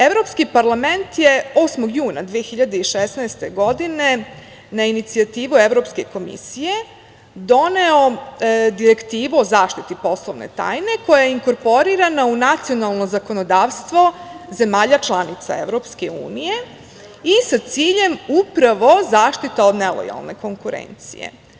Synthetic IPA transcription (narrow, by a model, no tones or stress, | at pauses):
eʋɾo̞pskipaɾlˠame̞nt̪jeoːsmoɡjuːna̰d̪ʋijexiʎad̪eiʃesnaːst̪e̞ɡo̞d̪ine̞ | nainit̪siat̪iːʋueʋɾo̞pske̞ko̞mḭsije̞ | d̪o̞neo̞d̪iɾekt̪iːʋuozaːʃt̪it̪ipo̞slˠoʋnḛt̪a̰ːjne̞ko̞jajeiŋko̞ɾpo̞ɾiɾanaunat̪sio̞nalˠno̞zako̞nod̪aːʋst̪ʋo̞ze̞maːʎat͡ʃlˠanit̪sa̰ḛʋɾo̞pske̞̰ṵːnije | isat̪siːʎe̞mupɾaʋo̞zaːʃt̪it̪aod̪nelo̰ja̰lˠne̞̰ko̞ŋkuɾḛːnt̪sḭjḛ